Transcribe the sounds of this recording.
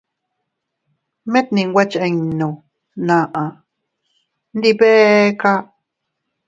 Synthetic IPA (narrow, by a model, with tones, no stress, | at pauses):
mẽ˦t̪̚nĩ˧˨ŋwʷa˦t͡ʃe˧ŋnõ˨ | nã˨ʔã˨ | nd̪i˦˧βe˦ka˦